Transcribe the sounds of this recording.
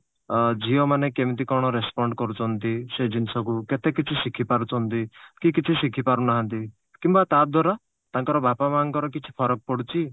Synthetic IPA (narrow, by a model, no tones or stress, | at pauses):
d͡ʒiɔmanekemit̪ikɔɾɽ̃ɔɾespɔɳɖkɔɾut͡ʃʰɔnt̪ised͡ʒinsɔkuket̪ekit͡ʃʰisikʰipaɾut͡ʃʰɔnt̪ikikit͡ʃʰisikʰipaɾunaɦant̪i | kimbat̪ad̪waɾa | t̪aŋkɔɾɔbapamaŋkɔɾɔkit͡ʃʰi̥pʰɔɾɔk̚pɔɽut͡ʃʰi